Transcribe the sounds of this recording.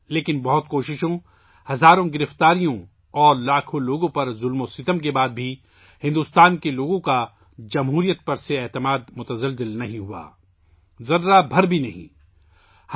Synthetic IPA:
leːkɪnbɐɦʊt̪koːʃɪʃõ | hɐzaːɾõɡɪɾɪft̪aːɾijõ | ɔːɾlaːkʰõloːɡõpɐɾzʊlmosɪt̪əmkebaːd̪̚bʱi | hɪ̃nd̪uːst̪aːnkeloːɡõka | d͡ʒɐmɦuːɾijət̪̚pɐɾseɛːt̪ɪmaːd̪mʊt̪əzəlzɪlnɐɦĩɦua̰ː | zɐɾːabʱɐɾbʱinɐɦḭ̃ | h

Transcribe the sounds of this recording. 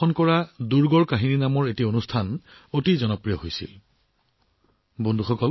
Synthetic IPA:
ɔnkɔɹaduɹɡɔɹkaɦininamɔɹetionustʰan | otizɔnɔpɹijɔɦojsḭl | bondʱuxɔkɔl

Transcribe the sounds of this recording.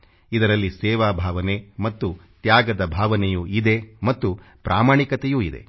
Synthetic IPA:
id̪ɐɾɐlːisɛːʋaːbʱaːʋɐnemɐt̪ːut̪jaːɡɐd̪ɐbʱaːʋɐnɛjuːid̪e̞mɐt̪ːu | pɾʔaːmaːɳikɐt̪ejuːid̪ḛ

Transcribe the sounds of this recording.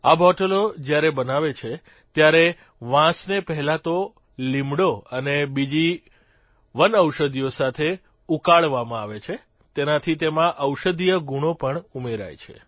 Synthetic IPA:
abʱɔʈəlod͡ʒjaɾebənaʋet͡ʃʰe | t̪jaɾe | ʋãsnepɛɦɛlãt̪o | limɽoənebid͡ʒi | ʋənəwʃəd̪ʱijosat̪ʰe | ukaɭʋamãaʋet͡ʃʰe | t̪enat̪ʰit̪emãʔəwʃəd̪ʱijəɡuɽ̃opəɳumeɾa̰jt͡ʃʰḛ

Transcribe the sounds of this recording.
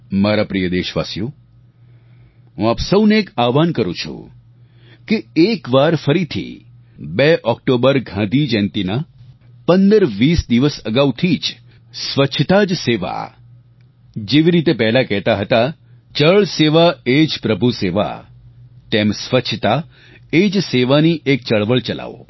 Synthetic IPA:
maɾapɾijəd̪eʃʋa̰sju | ɦũapsəwneekaʋankəɾṵ̃t͡ʃʰṵ | keekʋaɾfəɾit̪ʰḭ | beʔɔkʈobəɾɡʱãd̪id͡ʒɛ̃nt̪ina | pənd̪əɾʋisd̪iʋəsəɡaʋt̪ʰid͡ʒ | sʋət͡ʃʰt̪ad͡ʒseʋa̰ | d͡ʒeʋiɾit̪epɛɦlakɛɦt̪aɦət̪a | t͡ʃəɭseʋaed͡ʒpɾəbʱuseʋa̰ | t̪emsʋət͡ʃʰt̪a | ed͡ʒseʋaniʔek̚t͡ʃəɭʋəɭt͡ʃəla̰ʋo̰

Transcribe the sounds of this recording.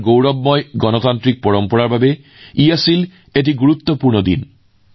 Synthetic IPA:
ɡowɾɔbmɔeɡɔnot̪ant̪ɾik̚pɔɽompɔɽaɾbʱabe | iesil | eʈ̬iɡuɾut̪ːopuɾɳod̪ḭn

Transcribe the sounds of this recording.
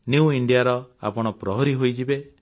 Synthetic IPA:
njuuiɳɖijaɾɔa̰pɔɽ̃ɔpɾɔɦɔɾiɦojd͡ʒibe

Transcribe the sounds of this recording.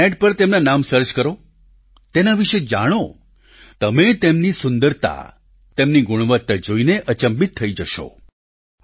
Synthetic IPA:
ɛɖpəɾt̪emnanamsəɾt͡ʃkəɾo | t̪enaʋiʃed͡ʒa̰ɽ̃o | t̪əmet̪emnisʊnd̪əɾt̪a̰ | t̪emniɡuɽ̃ʋət̪ːəd͡ʒoineʔət͡ʃəmbit̪ʰːəid͡ʒəʃo̰

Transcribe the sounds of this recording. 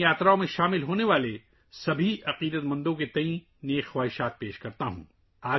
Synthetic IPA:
jaːt̪ɾaõmẽʃaːmɪlɦoːneʋaːle | sɐbʱiɐqiːd̪ət̪mɐ̃nd̪õket̪ɐĩ | neːkxwaːɦɪʃaːt̪̚peːʃkɐɾt̪aɦṵ̃ː | aː

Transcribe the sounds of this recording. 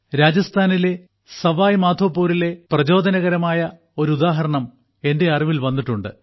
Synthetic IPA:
ɾaːd͡ʑɐst̪ʰaːnile̞ | sɐʋaːjmaːd̪ʱoːpːuːɾile̞prɐd͡ʑo̞ːd̪ʱɐnɐɣɐɾɐmaːjɐ | o̞ɾud̪aːɦɐɾɐɳɐm | e̞nde̞ɐriʋilʋɐnːiʈːuɳɖɨ̰

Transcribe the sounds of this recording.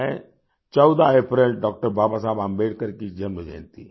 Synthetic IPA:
ɛ̃ | t͡ʃɔʊd̪aeːpɾelɖɔːk̚ʈəɾbaːbas̬aːbambeːʈkəɾkid͡ʒənbed͡ʒã̰ːnt̪i

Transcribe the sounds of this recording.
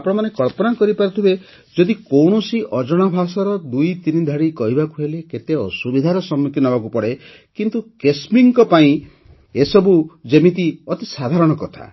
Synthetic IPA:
apɔɽ̃ɔmanekɔɭpɔnakɔɾipaɾɔt̪ʰibe | d͡ʒɔd̪ikowɽ̃ɔsiʔɔd͡ʒɔɽ̃abʱasɔɾɔd̪ujt̪inid̪ʱaɽikɔɦibakuɦeleket̪eɔsubid̪ʱaɾɔsɔmuk̪inɔbak̬upɔɽe | kint̪ukesmiŋkɔpaĩ | esɔbud͡ʒemit̪̬iɔt̪isad̪ʱaɾɔɽ̃ɔkɔt̪ʰa̰

